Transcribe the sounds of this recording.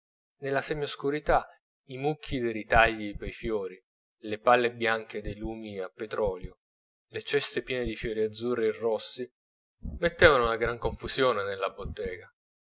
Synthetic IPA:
nelːasɛɲːoskuɾit̪a | imukʰːid̪eɾit̪aʎːipejfjoːɾi | lepalːebjaŋk̟ed̪ejluːmiapːet̪ɾɔːljo | let͡ʃɛst̪epjɛːned̪ifjoɾiad̪zːuːrːerːɔsːi | met̪ːɛːvanounaɡɾaŋkoɱfusjoːnenelːabot̪ːɛːɡa

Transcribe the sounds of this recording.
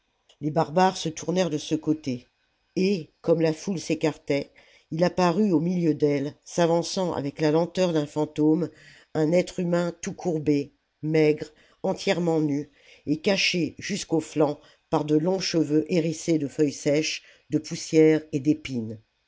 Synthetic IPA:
lebaʁbaʁsət̪uʁnɛʁd̪əsəkot̪e | ekɔmlafulsekaʁt̪ɛ | ilapaʁyomiljød̪ɛlsavɑ̃sɑ̃ʔa̰vɛklalɑ̃t̪œʁd̪ɛ̃fɑ̃t̪om | ɛ̃nɛt̪χymɛ̃t̪ukʰuʁbe | mɛɡʁ | ɑ̃t̪jɛʁmɑ̃ny | ekaʃeʒyskoflɑ̃ | paʁd̪əlɔ̃ʃəvøʔeʁised̪əfœjsɛʃ | d̪əpusjɛːʁed̪epin

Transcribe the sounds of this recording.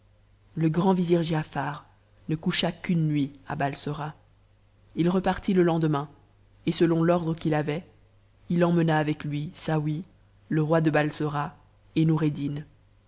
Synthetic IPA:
ləɡʁɑ̃viziʁʒeafaːʁ | nəkuʃakynːɥiabalsɔʁa | ilʁəpaʁt̪iləlɑ̃d̪əmɛ̃ | esəlɔ̃lɔʁd̪ʁəkʲilavɛ | ilɑ̃mənaːvɛklɥisawi | ləʁwad̪əbalsɔʁa | enuʁed̪in

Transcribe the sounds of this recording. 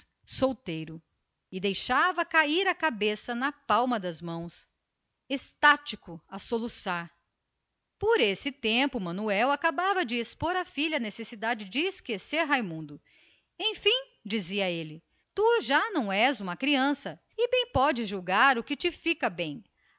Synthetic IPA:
sowt̪ejɾʊ | ɪd̪ejʃavɐkaiɾɐkabesɐnɐpawmɐd̪ɐzmɐ̃w̃s | est̪at͡ʃikʊasolusaɾ | poɾesɪt̪ẽmpʊmɐ̃nuɛwakabavɐd͡ʒɪespoɾafiʎɐːnesesid̪ad͡ʒɪd͡ʒɪːskeseɾɦajmũnd̪ʊ | ẽj̃fĩ | d͡ʒiziɐelɪ | t̪uʒanɐ̃w̃ɛzũmɐkɾiɐ̃sɐ | ɪbẽj̃pɔd͡ʒɪzʒuwɡaɾʊkɪt͡ʃɪfikɐbẽj̃

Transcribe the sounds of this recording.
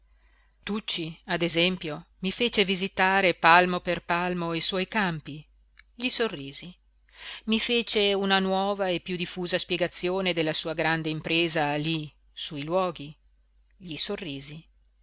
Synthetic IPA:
t̪ut͡ʃːiad̪ezɛmpjomifeːt͡ʃevizit̪aːɾepalmoperpalmoeswɔjkampi | ʎisorːiːzi | mifeːt͡ʃeunanwɔːvaepːjud̪ifuːzaspjeɡat̪sːjoːned̪elːasuːaɡɾand̪eimpɾeːzali | suilwɔːɡi | ʎisorːiːzi

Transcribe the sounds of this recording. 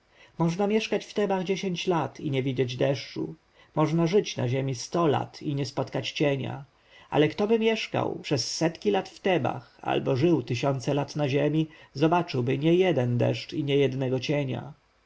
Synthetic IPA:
mɔʐnamʲjɛʂkat͡ɕft̪ɛbaɣd͡ʑeɕeɲt͡ɕlat̪ʰiɲɛvʲid͡ʑed͡ʑd̪ɛʂt͡ʂṵ | mɔʐnaʐɘt͡ɕna̰ʑemʲist̪ɔla̰t̪ʰiɲɛspɔt̪kat͡ɕt͡ɕeɲa̰ | ʔa̰lɛkt̪ɔbɘmʲjɛʂka̰wpʂɛsːɛt̪kʲilat̪ft̪ɛba̰xa̰lbɔʐɘwt̪ɘɕɔnt̪sɛlat̪naʑemʲizɔbat͡ʂɘwbɘɲɛjɛd̪ɛnd̪ɛ̰ʂt͡ʂiɲɛjɛd̪nɛɡɔt͡ɕeɲa̰

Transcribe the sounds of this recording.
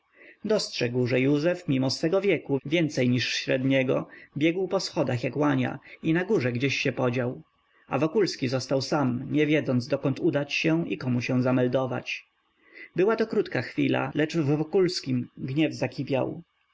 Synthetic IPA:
d̪ɔstʂɛɡwʐɛjuzɛfmʲimɔsfɛɡɔvʲjɛkuvʲjɛnt̪sɛjɲiʂɕɾɛd̪ɲɛɡɔbʲjɛɡwpɔsxɔd̪axjakwaɲa̰inaɡuʐɛɡd͡ʑeɕːɛpɔd͡ʑaw | a̰vɔkulskʲizɔst̪awsamɲɛvʲjɛd̪zɔnd̪zd̪ɔkɔnt̪ud̪at͡ɕɕɛw̃ʔḭkɔmuɕɛw̃zamɛld̪ɔva̰t͡ɕ | bɘwat̪ɔkɾut̪kaxfʲila̰lɛt͡ʂvːɔkulskʲimɡɲɛvzakʲʰipʲja̰w

